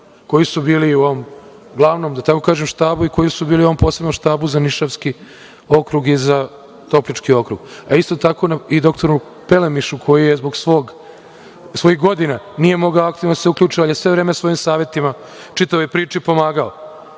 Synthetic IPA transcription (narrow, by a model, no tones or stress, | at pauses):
ko̞jisubiːliuo̞ʋom | ɡlˠaʋno̞ːmd̪at̪ako̞kaːʒemʃt̪aːbuiko̞jisubiːlioompo̞ːse̞bnomʃt̪aːbuzaniʃaʋski | o̞kɾuɡiza | t̪o̞plit͡ʃkio̞kɾuɡaist̪o̞t̪ako̞naid̪o̞kt̪o̞ɾu | pe̞lemiʃukʰo̞jijezbo̞ɡsʋo̞ɡ | sʋo̞jixɡo̞d̪ina | nije̞mo̞ɡaoakt̪iːvnod̪aseuklʲuːt͡ʃialjesʋe̞ʋɾeːmesʋo̞jimsaːʋʲje̞t̪ima | t͡ʃit̪aʋopɾiːt͡ʃipo̞maːɡao